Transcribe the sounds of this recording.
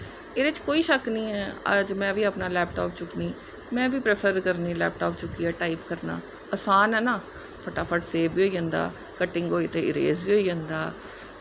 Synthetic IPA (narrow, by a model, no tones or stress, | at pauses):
eːɾɪt͡ʃkoːiːʃəknĩːɛːə̰d͡ʒmɛ̃ːʋiːapnaːlɛːpʈoːpt͡ʃʊkniː | mɛ̃ːʋiːpɾeːpʰəɾkəɾniːlɛːp̚ʈaːpt͡ʃʊkiːaːʈaːiːpkəɾna̰ː | əsaːnɛːnãː | pʰəʈaːpʰəʈseːbbiːoːiːə̃ːnd̪a̰ː | kəʈːɪŋɡɦoːiːt̪eːɪɾḛːzbiːɦoːiːə̃nd̪aː